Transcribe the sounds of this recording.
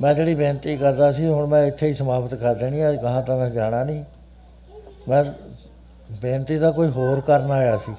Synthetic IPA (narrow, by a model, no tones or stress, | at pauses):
mɛ̃ːd͡ʒeːɽiːbẽːnt̪iːkəɾd̪aːsiːɦʊɳmɛ̃ːɪt̪ʰːeːiːsəmaːpʰət̪kəɾd̪eːɽ̃ĩːaːkəɦãːt̪ãːmɛ̃ːd͡ʒaːɽ̃aːnĩː | mɛ̃ː | bẽːnt̪iːd̪aːkoːiːɦoːɾkəɾnaːjaːsiː